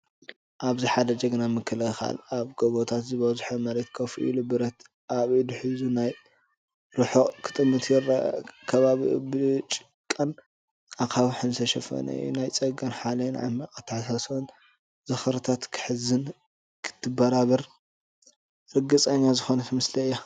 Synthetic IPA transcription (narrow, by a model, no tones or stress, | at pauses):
ʔaβziħad̪ɐd͡ʒɐɡɨnamɨkʰːɨlɨxa̰laβɡ̥oβot̪ʰat̪zɨβɐzħomɐɾet̪kʰɐfuʔḭlubɨɾɐt̪ | ʔaβid̪uħɨzunaj | ɾɨħokʰɨ̥t̪ʼɨmːɨt̪ʰjɛɾkʰɐβaβibɨt͡ʃʼɨ̥ | kʼːɐn | akʰaβħɨnsɐʃɐfɐ̰nɐ̰jṵnajt͡sʼɐɡɐnħalɐnʕa̰mːɐkʼɐt̪ʰːħasasn | zɐxɐɾt̪ʰat̪kʰɨ̥ħɨzɨn | kʰɨ̥t̪ʰːɨbɐɾaβɐɾ | ɾɨɡɨt͡sʼɐɲːazɨxo̞nɐt̪mɨslɐɨjːa